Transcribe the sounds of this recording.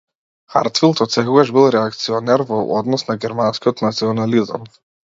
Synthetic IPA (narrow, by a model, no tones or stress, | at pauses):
xa̰ɾt̪filˠt̪ɔt̪sɛkɔɡaʒbilˠɾɛak̚t̪siɔnɛɾvɔɔd̪nɔsnaɡʲɛɾmanskiɔt̪nat̪siɔnaliza̰m